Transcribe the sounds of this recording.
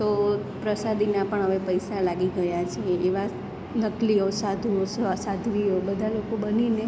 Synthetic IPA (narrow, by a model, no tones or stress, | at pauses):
t̪o | pɾəsad̪ʱinapəɳɦəʋepəjsalaɡiɡəjat͡ʃʰieːʋa | nəkliosad̪ʱuosasad̪ʱʋioɓəd̪ʱalokobənine